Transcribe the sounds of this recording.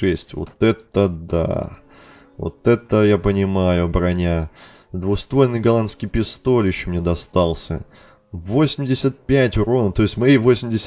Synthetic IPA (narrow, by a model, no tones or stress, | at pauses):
ɛsʲtʲvo̰t̪ɛt̪əd̪a̰ | vo̰t̪ɛt̪əjapənʲɪmajʊɐbɾɐnʲa | d̪vʊxst̪vojʲnɨjɡɐlˠanskʲijpʲɪst̪o̞lʲjɪɕːomnʲed̪ɐst̪ɑlˠsʲə̰ | vo̞sʲɪmʲdʲɪsʲət̪̚pʲætʲɾo̞nət̪o̞ɪsʲtʲmɐjivo̞sʲɪmʲdʲɪsʲ